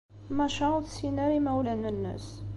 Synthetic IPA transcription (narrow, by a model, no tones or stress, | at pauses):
mæʃəuðsinəɾimæwlənːənːə̰s